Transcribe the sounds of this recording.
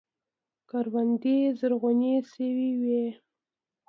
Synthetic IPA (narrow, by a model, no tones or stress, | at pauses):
kaɾwand̪izəɾɣʊnesəwiwe